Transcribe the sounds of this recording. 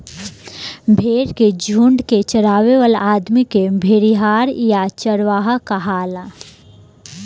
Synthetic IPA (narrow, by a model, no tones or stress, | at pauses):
bʱeːɾked͡ʒʱuɳɖket͡ʃəɾaːʋeʋəlaːd̪mikebʱeːɾiɦaːɾjat͡ʃəɾʋaːɦakaɦaːla